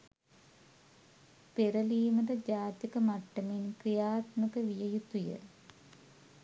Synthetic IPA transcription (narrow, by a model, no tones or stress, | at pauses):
peɾɐliːmɐdɐd͡ʑaːt̪jikːɐmɐʈːɐminkrijaːt̪mukːɐʋijɐjut̪ːujɐ̰